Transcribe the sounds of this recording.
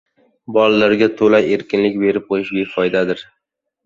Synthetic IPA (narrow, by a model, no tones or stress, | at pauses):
bɒlalaɾɡʲat̪ʰolaje̞ɾkʲɪnlɪkʲbe̞ɾɪp̚qʰojɪʃbe̞fɒjd̪ad̪ɪɾ